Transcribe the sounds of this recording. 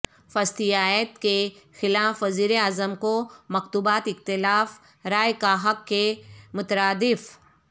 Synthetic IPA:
fɐst̪ijaːjət̪kexɪlaːfːɐziːɾeaːzəmkomɐkt̪uːbaːt̪ɪxt̪ɪlaːf | ɾaːjkaɦɐkːemʊt̪əɾaːd̪ɪf

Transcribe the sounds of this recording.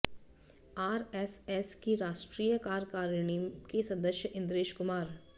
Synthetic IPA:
aːɾɛsɛskiɾaːʃʈɾiːjəkaːɾkaːɾɳikesɐd̪əʃjəʔɪ̃nd̪ɾeːʃkʊmaːɾ

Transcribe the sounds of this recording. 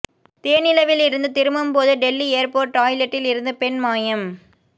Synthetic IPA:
t̪eːɐnɪlɐʋɪlɪɾɯnd̪ɯt̪ɪɾɯmɯmpoːðɯɖɛlːieːɾpoːʈːaːjlɛʈːɪlɪɾɯnd̪ɯpɛnmaːjɐm

